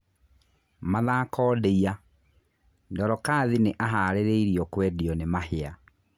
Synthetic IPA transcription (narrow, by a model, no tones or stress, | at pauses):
maðakɔːdeia | ndɔɾɔkaːðineʔaɦaːɾeɾeiɾiɔkwɛːdiɔnemahea